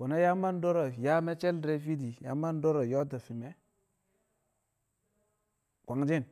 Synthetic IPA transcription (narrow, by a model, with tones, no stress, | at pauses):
wo˨na˦ja˦ma˦n˦do˦ɾo˨ja˦me˦t͡ʃe˦ldɾe˦fi˦di˨ja̰˨ma˦n˦do˦ɾo˨jo˦ta˨fi˨me˦ | kʷa˨ŋd͡ʒi˦n